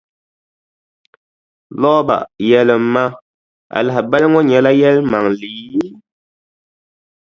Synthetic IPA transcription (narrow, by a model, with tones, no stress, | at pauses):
lɔː˦ba̰˨ʔjɛ˨lə˨ma˦ | a̰˨la˨bɛ˦lŋɔ˦ɲɛ˨la˦jɛ˦lma˨ŋli˨˦